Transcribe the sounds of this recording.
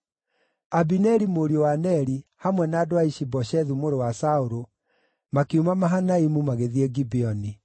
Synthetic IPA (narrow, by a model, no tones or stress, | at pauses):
abinɛɾimoɾiowanɛɾihamwɛnaːdoaiʃibɔʃɛðumoɾowasaoɾo | makeumamaɦanaimumaɣeðiɛɡibiɔni